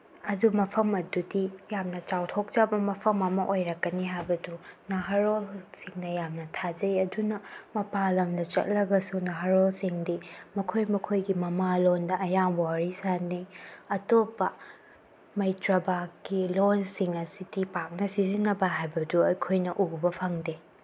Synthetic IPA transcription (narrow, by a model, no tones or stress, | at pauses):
ɐdumɐpʰɐmɐdudijamnɐt͡ʃawtʰok̚t͡ʃabɐmɐpʰɐmɐmɐʔojɾɐkːɐniɦajbɐdunaɦɐɾolsiŋnɐjamnɐtʰad͡ʒɐjɐdunɐmɐpalɐmdɐt͡ʃɐ̰t̚lɐɡɐsunaɦaɾolsiŋdimɐkʰojmɐkʰojɡimɐmalondɐʔɐjambwaɾisaniɐtopːɐ | mɐjtɾɐbakkilonsiŋɐsidipak̚nɐsizinːɐbɐɦajbɐduɐjkʰojnɐʔubɐpʰɐŋde